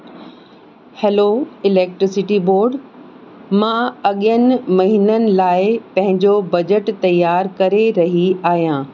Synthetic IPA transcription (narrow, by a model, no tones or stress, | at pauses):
heːloɪleːk̚ʈɾɪsɪʈiboːɾɖ | mãːɐɠijənɪ̆mɐɦiːnənɪ̆laːɪpɐ̃ɦɪ̃ɲd͡ʑobɐd͡ʑəʈt̪ɐjːaːɾkɐɾeɾɐɦiaːɦijãː